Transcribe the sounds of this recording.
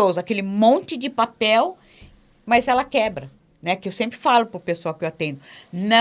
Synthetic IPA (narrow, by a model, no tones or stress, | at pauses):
ozʊakelɪmõnt͡ʃɪd͡ʒɪpapɛw | mɐzɛlɐkɛbɾɐ | nɛkɪewsẽmpɾɪfalʊpʊɾpesoawkɪewat̪ẽnd̪ʊnɐ̃